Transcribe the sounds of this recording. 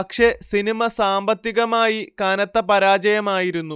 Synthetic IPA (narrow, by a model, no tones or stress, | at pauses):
ɐkʂe̞sinimɐsaːmbɐt̪ːiɣɐmaːjikaːnɐt̪ːɐpɐɾaːd͡ʑɐjɐmaːjiɾunːu